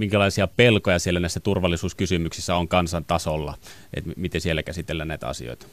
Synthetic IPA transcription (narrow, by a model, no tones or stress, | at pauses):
miŋkælɑˑisiɑpelkojɑsielːænæˑisːæt̪urʋɑlːˑisuːskysymyksisːæoŋkɑnsɑnt̪ɑsolːɑ̰ | ʔḛt̪mit̪esielːækæsit̪elːænnæˑit̪ɑ̰sḭo̰ˑit̪